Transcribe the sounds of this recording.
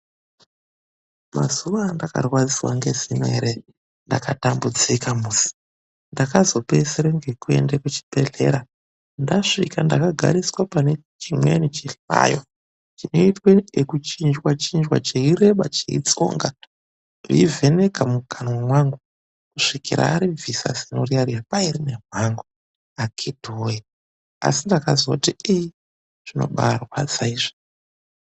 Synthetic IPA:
ma̰zuʋandaka̰rwad͡ziwa̰ŋɡe̞zimwḛɾe | ndakatambud͡zikamusi̥ | ndakazo̞peseɾeŋɡe̞kue̞̰ndekut͡ʃi̥bʱe̞ɮe̞̰ɾa | ndaʂikandakaɡʱa̰ɾiswapane̞ | t͡ʃimwenit͡ʃiɬwa̰jo | t͡ʃino̞itweekut͡ʃind͡ʒwat͡ʃind͡ʒwa̰t͡ʃeiɾe̞ɓat͡ʃeḭt͡so̰ŋɡa | ʐḭivʱe̞ne̞kamuɡʰʱanwamwaŋɡu | kuʂikiɾa̰ːɾivisa̰sinoriariapaiɾinemwaŋɡu | akʰidʱoji | a̰sindakazakutiiji | ʐ̥ino̞̰ɓarwad͡zaiʐo̥

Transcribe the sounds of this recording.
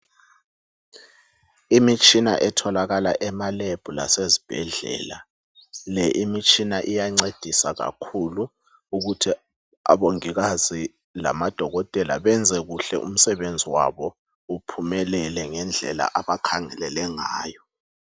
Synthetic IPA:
imit͡ʃʼina̰ʔɛtʰɔlaɣalaʔɛmaleb̥ʱula̰sezib̥ʱɛɮɛ̰ːla | lɛʔimit͡ʃʰʼinaʔijaŋ͡ǀed̥ʱisaɣa̰kʰulu | uɣutʰi | a̰ɓoŋiɣaz̥i | la̰mad̥ʱɔɣɔtʼɛla̰ɓɛnd͡zʱɛɣuɬɛ̰ʔṵm̩sɛɓend͡zʱiwa̰βɔ | upʰumɛlɛlɛŋɛnd͡ɮʱɛ̰la̰ʔaɓakʰaŋɛlɛlɛŋaːjɔ

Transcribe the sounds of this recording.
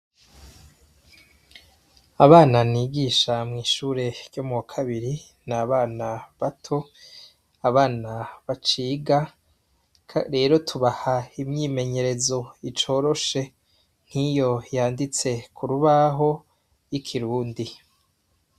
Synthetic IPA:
aβaːnaniːɡiʃamŋiːʃuːɾe̞ɾɟomuwakʰaβiɾi | naβaːnaβatʰo̞ | aβaːnaβat͡ʃiːɡa | ɾe̞ːɾo̞tʰuβahaimɲiːme̞ɲe̞ɾe̞zo̞it͡ʃo̞ːɾo̞ʃe̞ | n̥hijo̞jaːndit͡se̞kʰuɾuβaɦo̞ | jikʰiɾuːndi

